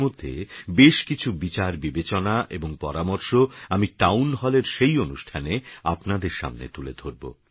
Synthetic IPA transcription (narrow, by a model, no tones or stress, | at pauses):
mod̪ʱːḛbeʃkit͡ɕʰubit͡ɕaɾbibet͡ɕonaʔeboŋpɔɾamoɾʃoamiʈawnɦɔleɾʃejonuʃʈʰaneapnad̪eɾʃa̰mnḛt̪ulḛd̪ʱoɾbo̰